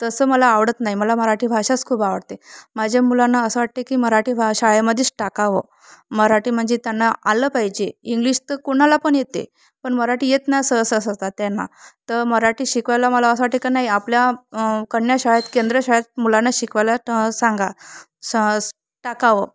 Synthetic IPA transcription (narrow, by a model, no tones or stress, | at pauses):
t̪əsəːməlaːʋɽət̪naɦiməlaməɾaʈiːbʱaɕat͡skʰuːbaʋəɽt̪emad͡ʑʱjamulanːaəsəʋaʈ̚t̪ekiːməɾaʈiːbʱɕaɭaməd̪ʱiːt͡sʈakaʋə̰ | məɾaʈiːm̤əɳd͡zet̪janːaaləːpaɦid͡ʑeiŋɡliɕt̪əkoɽ̃alapəɳjet̪ḛ | pəɳməɾaʈiːjet̪najsəɦəsəsast̪at̪janːa̰t̪əɾməɾaʈiːɕikʋajlaməlaəsəʋaʈekanaɦiapljakəɳːjaɕaɭjat̪kend̪ɾəɕaɭjat̪̚mulanːaɕikʋajlasaŋɡa | ʈakaʋə